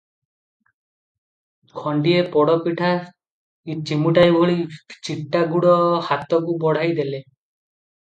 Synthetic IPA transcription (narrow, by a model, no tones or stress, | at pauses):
kʰɔɳɖiepɔɽɔpiʈʰa | it͡ʃimuʈajbʱoɭit͡ʃiʈːaɡuɽɔhat̪ɔkubɔɽ̤ajd̪ele